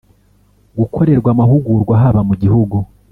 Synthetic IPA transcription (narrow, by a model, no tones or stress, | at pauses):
ɡukʰo̞ɾe̞ɾɡwamaɦuɡuːɾɡwaɦaβamuɟihuɡu